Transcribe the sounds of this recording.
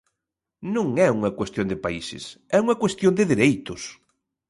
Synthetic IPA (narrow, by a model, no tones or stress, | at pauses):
nũŋɛuŋɐkwest̪jond̪ɪpaisɪ̰s | ɛuŋɐkwest̪jõnd̪ɪðiɾejt̪ʊs